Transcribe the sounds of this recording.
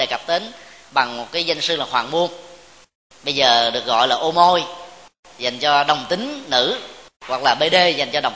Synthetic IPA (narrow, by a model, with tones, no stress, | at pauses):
ḛ˧˩ɣa˨˩p̚t̪e˨˦nɓa˨˩ŋmo˨˩t̚kaː˨˦jzə˧jŋ̟sɨ˧laː˨˩hwaː˧˨˩nmu˧əŋ | ɓə˧jzəː˨˩ɗɨ˨˩ək̚ɣɔ̰˧˨jlaː˨˩ʔo˧mo˧j | za˨˩jŋ̟t͡ɕɔ˧ɗə˨˩wŋ͡mt̪ï˨˦ŋ̟nɨ̰˧˥ | ɣwa˨˩k̚laː˨˩ɓe˧ɗe˧za˨˩jŋ̟t͡ɕɔ˧ɗə˨˩wŋ͡m